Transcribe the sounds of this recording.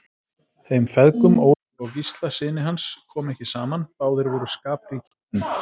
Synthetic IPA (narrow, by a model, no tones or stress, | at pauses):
θeːjmfɛðkʏmoːw | ɔɣcist̪lasɪːnɪɦanskʰɔːmɛhcɪsaːmanpaːwðɪɾvɔɾʏskaːpɾɪicʰi̥ɪn